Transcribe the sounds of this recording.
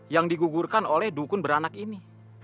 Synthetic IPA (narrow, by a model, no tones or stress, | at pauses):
jaŋdiɡuɡurkanolɛhdukʊnbəɾanakini